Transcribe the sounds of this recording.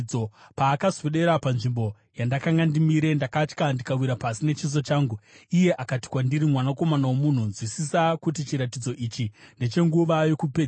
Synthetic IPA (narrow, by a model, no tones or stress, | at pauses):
o̞paːkazweɗe̞ɾapanʐimbo̞ | jandakaŋɡandimiɾe̞ndakat͡ʃkandikawiɾapasine̞t͡ʃiz̬o̞t͡ʃaːŋɡuije̞ʔakati̥kwandiɾimwanako̞manawomun̤unzwisisakutit͡ʃiɾatid͡zo̞ʔit͡ʃinde̞t͡ʃe̞ŋɡuʋajo̞kupe